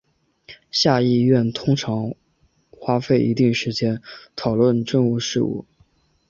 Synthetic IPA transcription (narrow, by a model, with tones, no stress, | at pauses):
ɕja˥˧i˥˧ɥɛ˥˩nt̪ʰʊ˥ŋʈ͡ʂʰɑ˧˥ŋ | xwa˥fe˥˩ɪʔi˧˥t̪i˥˩ŋʂɻ̩˧˥t͡ɕjɛ˥nt̪ʰɑ˨˩ʊlwə˥˩˧nʈ͡ʂə˥˧ŋu˥˧ʂɻ̩˥˧ṵ˥˩